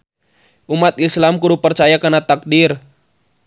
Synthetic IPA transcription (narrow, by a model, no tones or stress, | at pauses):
ʔumat̪̚islamkuɾupərt͡ʃajakənat̪ak̚dir